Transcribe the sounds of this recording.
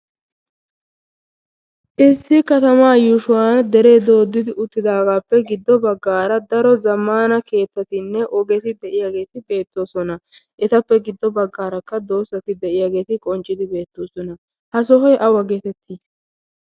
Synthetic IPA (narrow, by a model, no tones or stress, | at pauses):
ʔɪsːɪkɐt̪ɐmaːjuʃʊwaːnd̪ɛɾeːd̪o̞ːd̪ːɪd̪ɪʔʊt̪ːɪd̪aːɡaːpːɛɡɪd̪ːɔbɐɡːaːɾɐd̪ɐɾɔzɐmːaːnɐke̞ːt̪ːɐt̪ɪnːɛʔɔɡɛt̪ɪd̪ɛʔɪjaːɡe̞ːt̪ɪbe̞ːt̪ːo̞ːsɔnɐ | ʔɛt̪ɐpːɛɡɪd̪ːɔbɐɡːaːɾɐkːɐd̪o̞ːsːɐt̪ɪd̪ɛʔɪjaːɡe̞ːt̪ɪkʼɔnt͡ʃʼːɪd̪ɪbe̞ːt̪ːo̞ːsɔnɐ | hɐs̬ɔɦɔjʔɐwɐɡet̪ɛt̪ʰːi